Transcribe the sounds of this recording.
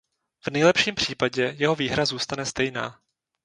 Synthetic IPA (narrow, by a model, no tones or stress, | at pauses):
v̥nɛjlɛpʃiːmpr̝̥iːpaɟɛjɛɦo̞viːɦɾazuːst̪anɛst̪ɛjna̰ː